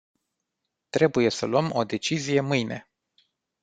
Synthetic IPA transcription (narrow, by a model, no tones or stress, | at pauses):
t̪ɾe̞buje̞səluəmo̞d̪e̞t͡ʃizije̞mɨjne̞̰